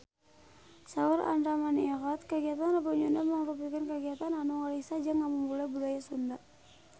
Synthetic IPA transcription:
sauɾa̰nɾamaniɣat̪̚kəɡiat̪anrabaɲundaməŋɾupikankəɡiat̪ananuŋɔlihsad͡ʒaŋaməŋbulabudajasundaʔ

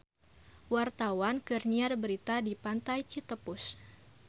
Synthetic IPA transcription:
wart̪awankərniarbəɾit̪adipant̪ajt͡ʃit̪əpʊs

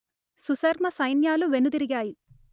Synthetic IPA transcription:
susɐɾmɐsɐjnjaːluʋenud̪iɾiɡaːji

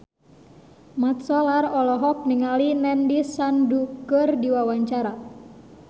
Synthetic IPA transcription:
mat̪̚sɔlarɔlɔɦɔk̚niŋalinɛndisandukərdiwawaɲt͡ʃaɾa

